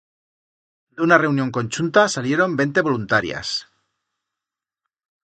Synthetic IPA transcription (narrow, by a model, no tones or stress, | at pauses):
d̪eunare̞unjoŋko̞nʲt͡ʃunt̪asalje̞ɾo̞mbe̞nt̪e̞βo̞lunt̪aɾja̰s